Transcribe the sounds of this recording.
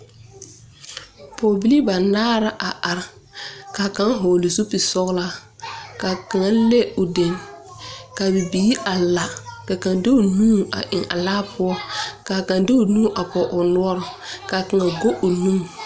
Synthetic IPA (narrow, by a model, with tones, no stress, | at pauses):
poː˨bi˦li˦ba˨naː˦ɾa˦ʔa˨ʔa˨ɾ | ka˨ka˦ŋ˦ɦo˨lɪ˨su˦pi˨sɔ˦ɣla˦ka˨ka˨ŋa˦le˦ʊ˨de˨ŋ | ka˨bi˨biː˨˦ʔa˨la˨ka˨ka˨ŋde˦ʊ˨nũː˦a̰˨ʔɪ˨ŋa̰˨laː˦pʰʊ˦ɔ˦ka˨ka˨ŋdɪ˦ʊ˨nũː˦ʔa˨pɔ˨ʔʊ˨nʊ˦ɔ˦ɾɔ˨ka˨ka˨ŋa˨ɡo˦ʔʊ˨nu˦m